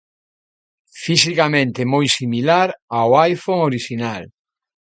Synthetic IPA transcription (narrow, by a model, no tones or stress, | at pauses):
fisikamẽnt̪ɪmojsimilaɾawajfoŋoɾiʃinal